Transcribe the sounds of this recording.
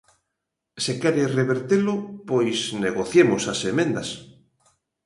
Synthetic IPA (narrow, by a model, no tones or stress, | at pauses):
sekɛɾereβeɾt̪elʊpojsneɣoθjemʊsasemẽnd̪as